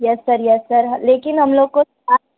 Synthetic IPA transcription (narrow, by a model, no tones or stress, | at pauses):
jɛsːɐɾjɛsːɐɾɦɐleːkɪnɦɐmloːɡ̚ko | a